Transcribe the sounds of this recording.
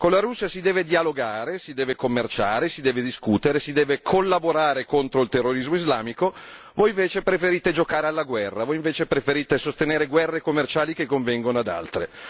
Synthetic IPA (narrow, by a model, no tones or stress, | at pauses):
konlaɾusːiasid̪ɛːved̪ialoɡaːɾesid̪ɛːvekomːert͡ʃaːɾesid̪ɛːved̪iskuːt̪eɾesid̪ɛːvekʰolːaboɾaːɾekont̪ɾoilt̪erːoɾizmoizlaːmiko | vojiɱveːt͡ʃepɾefeɾiːt̪ed͡ʒokaːɾealːaɡwɛrːavojiɱveːt͡ʃepɾefeɾiːt̪esost̪eneːɾeɡwɛrːekomːert͡ʃaːlikekːoɱvɛŋɡonoad̪a̰lt̪ɾḛ